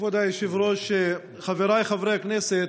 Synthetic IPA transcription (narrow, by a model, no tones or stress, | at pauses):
vad̪ajʃivɾoʃe | χaveɾajχavɾeaknɛset